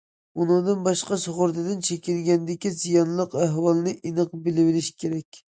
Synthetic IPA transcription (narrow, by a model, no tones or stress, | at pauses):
unɨŋd̪ɨnbɑʃqɑsoʁʊɾt̪ɨd̪ɪnt͡ʃʰekʲilɡʲɛnd̪ɪkʲizijɑnlˠəqæɦwɑlˠnɨʔinɨqbɪlɪwɪlɪʃi̥kʲʰeɾɛkʲ